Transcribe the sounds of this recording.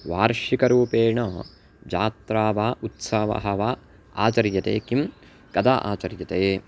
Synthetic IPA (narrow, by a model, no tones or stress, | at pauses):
ʋaːɾʂikɐɾuːpeːɳoː | d͡ʒaːt̪ɾaːʋaːʔut̪sɐʋɐ̰ɦɐʋaː | a̰ːt͡ʃɐɾjɐt̪ḛːkim | kɐd̪aːʔa̰ːt͡ʃɐɾjɐt̪eː